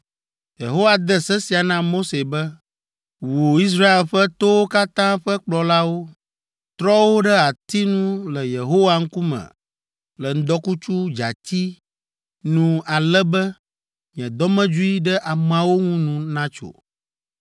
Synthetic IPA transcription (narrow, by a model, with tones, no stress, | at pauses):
jḛ˨ɦo˦wa˨d̪ə˦sɛ˦si˨a˨nã˦mo˦se˨bɛ˦ | wo˨i˦s̬ɾa˦e˨lɸə˦t̪o˦wo˦ka˦t̪ã˦ɸə˦k͡plɔ˨la˦wo˦ | t̪ɾɔ˦wo˦ɖə˦a˨t̪i˦nũ˦lə˨je˨ɦo˦wa˨ŋ̩˦ku˦mɛ̰̃˨ | lə˨n̩˦d̪ɔ˦ku˦t͡ʃu˦d͡ʒa̰˨t̪i˦ | nũ˦a˨lɛ˦bɛ˦ | ɲɛ̃˨d̪ɔ˦mɛ̃˦d͡ʒu˦i˦ɖɛ˦ʔa˨m˨ã˨wo˦ŋũ˦nũ˦nã˦t͡ʃo̰˨